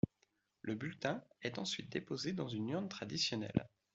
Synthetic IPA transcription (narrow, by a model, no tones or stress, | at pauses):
lʔəbylt̪ɛ̃ɛt̪ɑ̰̃sɥit̪̚d̪epozed̪ɑ̃zynyʁnt̪χad̪isjɔnɛ̰l